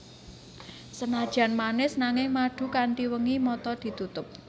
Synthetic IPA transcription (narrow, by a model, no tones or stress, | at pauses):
sənad̥ʒ̥a̤nmanɪsnaŋɪŋmaɖ̥ṳkaɳʈiwəŋimɔt̪ɔd̪̥i̤t̪ut̪ʊp̚